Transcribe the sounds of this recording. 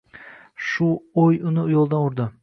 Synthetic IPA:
ʃʊojʊnɪʊjolˠd̪anʊɾd̪ɪ

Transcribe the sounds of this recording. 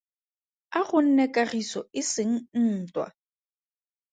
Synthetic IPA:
aɣʊn̩nɛkʼaɣisɔɪsɪŋ̩n̩ːtʼwa̰

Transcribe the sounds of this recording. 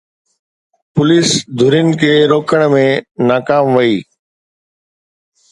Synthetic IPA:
pʊliːsd̪ʱʊɾɪnɪ̆kʰeːɾoːkʰəɽ̃mẽnaːkaːmʋəiː

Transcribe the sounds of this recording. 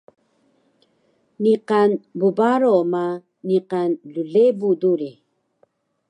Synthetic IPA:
niqanbubaɾoma | niqanluɮebuduɾi

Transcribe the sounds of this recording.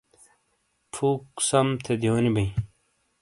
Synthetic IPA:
pʰuːksɐmt̪ʰed̪ioːnibɐĩ

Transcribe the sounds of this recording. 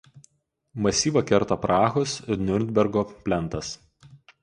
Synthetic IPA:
mɐsʲiːʋɐkʲɛɾt̪ɐpɾɑːxʊsɪɾnʲʊɾʲd̪ʲbʲɛɾɡoːpʲlʲɛnt̪ɐs

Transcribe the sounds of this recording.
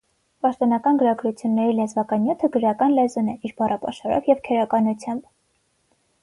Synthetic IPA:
pɑʃt̪ɔnɑkɑnɡəɾɑɡɾut͡sʰjunːɛɾilɛzvɑkɑnjut̪ʰəɡəɾɑkɑnlɛzunɛiɾbɑrɑpɑ̰ʃɑɾɔ̰vjɛvkʰɛɾɑkɑnut͡sʰjɑmb

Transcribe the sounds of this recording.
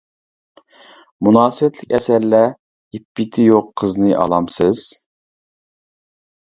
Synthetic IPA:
munɑːsɨwɛt̪ʰlɪkʲɛsæɾlɛ | ipːɪt̪ʰɪjoqʰːəznɨʔɑ̰lˠɑmsɨz̥

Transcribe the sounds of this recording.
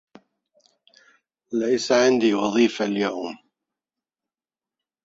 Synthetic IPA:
lajsaʕɪnd̪iːwɑðˤiːfaljawm

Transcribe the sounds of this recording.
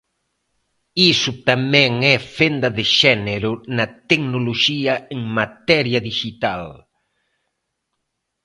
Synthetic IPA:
isʊt̪amɛŋɛfend̪ɐðɪʃɛneɾʊnɐt̪eknoloʃiɐeŋmat̪ɛɾjɐðiʃit̪al

